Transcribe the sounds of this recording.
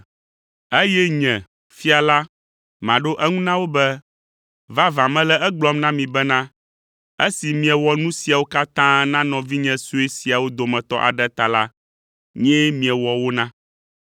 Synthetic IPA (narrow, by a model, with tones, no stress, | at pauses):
e˦jɛ˦ɲɛ̃˨ | fi˦a˨la˦ | mã˨ɖo˦ʔɛ˦ŋũ˦nã˦wo˦bɛ˦ | va˦vã˨mɛ̃˦lɛ˦ɛ˦ɡ͡blɔ˦mnã˦mĩ˨bɛ˦nã˦ | e˦si˨mĩ˨ɛ˨wɔ˨nũ˦si˨a˨wo˦ka˦t̪ã˦nã˦nɔ̃˨vi˦ɲɛ̃˦su˦e˦si˨a˨wo˦d̪o˨mɛ̃˨t̪ɔ̰˦ʔa̰˨ɖɛ˦t̪a˨la˦ | ɲɛ̃˦mĩ˨ɛ̃˨wɔ˨wo˦nã˦